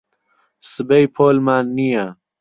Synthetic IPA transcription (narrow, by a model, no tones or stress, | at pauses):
sɨbejpʰoːlmaːnːija